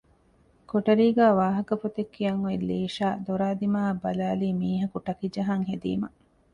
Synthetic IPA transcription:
koʈɐɾiːɡæːʋaːɦɐkɐfot̪ekːijɐŋoilːeːʃaːd̪oɾaːd̪imaːɐbɐlaːliːmiːɦɐkuʈɐkid͡ʒɐɦaŋɦed̪ḭːmɐ

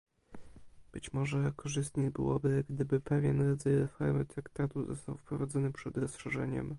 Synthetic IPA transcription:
b̥ɘt͡ɕmɔʐɛkʰɔʐɘst̪ɲebɘ̰wɔbɘɡd̪ɘbɘpɛvʲjɛnɾɔd̪zajɾɛfɔɾmɘt̪ɾakt̪at̪uzɔ̰st̪a̰wfpɾɔvad̪zɔnɘpʂɛd̪ɾɔsʂɛʐɛɲɛ̰m

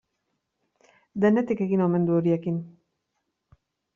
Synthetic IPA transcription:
d̪ene̞t̪ike̞ɣino̞me̞nd̪uo̞ɾie̞kin

